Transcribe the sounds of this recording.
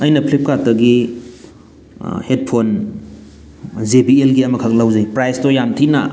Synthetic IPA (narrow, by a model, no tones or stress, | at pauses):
ɐjnɐpʰlip̚katɐɡi | het̚pʰon | zebielɡiɐmɐkʰak̚lawzɐjpɾajstojamtʰina̰